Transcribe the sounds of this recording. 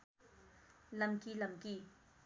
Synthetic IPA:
lamkilamki

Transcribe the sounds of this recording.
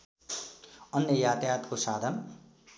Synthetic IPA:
ʌnːjʌjat̪jat̪kosaːd̪ʱʌn

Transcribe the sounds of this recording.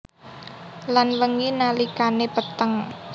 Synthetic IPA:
lanwəŋinalikanepət̪əŋ

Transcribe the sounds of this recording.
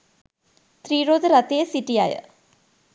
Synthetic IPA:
t̪riːɾoːd̪ɨɾɐt̪ːeesitːija̰ːjɐ̰

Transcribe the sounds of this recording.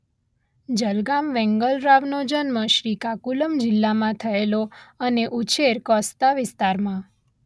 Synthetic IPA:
d͡ʒəlɡamʋɛ̃ŋɡəlɾaʋnod͡ʒənməʃɾikakuləmd͡ʒɪlːamãt̪ʰəeloəneʔut͡ʃʰeɾkɔst̪aʋɪst̪aɾmã

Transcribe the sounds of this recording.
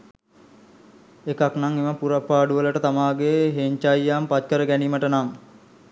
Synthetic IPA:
ekaknaŋeməpuɾapːaːɖuʋələʈət̪amaːɡeɦeɲt͡ʃajːaːmpat̪̚kəɾəɡæniːməʈənaŋ

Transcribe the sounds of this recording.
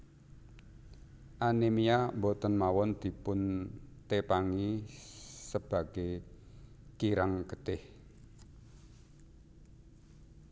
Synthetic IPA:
ʔanemijambɔt̪ənmawɔnd̪̥i̤pʊnt̪epaŋi | səb̥a̤ɡ̥e | kiɾaŋkət̪ɪh

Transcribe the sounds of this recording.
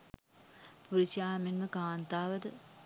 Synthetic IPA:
puɾiʃaːmenməkaːnt̪aːʋəd̪ə

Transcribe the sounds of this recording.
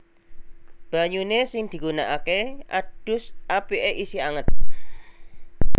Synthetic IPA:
b̥a̤ɲunesɪŋd̪̥i̤ɡ̥unaʔakeʔa̰ɖ̥ʊ̤sʔapiʔeʔisiaŋət̪̚

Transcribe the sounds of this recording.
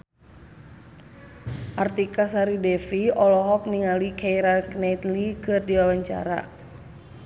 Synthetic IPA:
ʔart̪ikasaɾidɛfiɔlɔɦɔk̚niŋalikʰaiɾaɡnat̪likɨrdiwawaɲt͡ʃa̰ɾa̰

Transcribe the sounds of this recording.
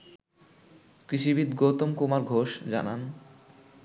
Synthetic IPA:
kɾiʃibid̪ɡot̪omkumaɾɡʱoʃd͡ʑa̰nan

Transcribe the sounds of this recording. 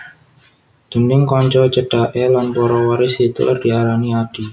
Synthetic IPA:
d̪̥ənɪŋkɔɲt͡ʃɔt͡ʃəɖ̥aʔɛlanpɔɾɔwaɾɪshit̪ə̰lʔə̰rd̥iaɾaniad̥i

